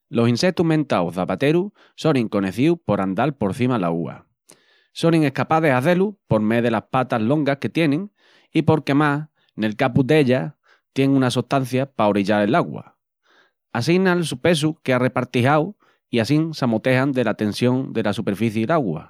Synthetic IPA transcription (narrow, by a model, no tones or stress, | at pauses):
lo̞sinse̞k̚t̪uɦmẽ̞nt̪awðapat̪e̞ɾu | so̞ŋiŋko̞ne̞θiupo̞ɾand̪alpo̞ɾθimala̰ɣṵa̰ | so̞niŋe̞hkapaðe̞saθe̞lupo̞ɾme̞ðe̞lahpat̪aɦlo̞ŋɡahke̞t̪je̞nẽ̞ŋ | ipo̞ɾke̞mas | ne̞lkapud̪e̞ʎa | t̪je̞ŋũnasuht̪an̟θjapaoɾiʎaɾe̞laɣwa̰ | as̬inalsupe̞s̬ukeare̞paɾt̪iɦaw | iasiŋsamot̪e̞ɦand̪e̞lat̪e̞nsjo̞ŋd̪e̞lasupe̞ɾfiθjeilaɣwa̰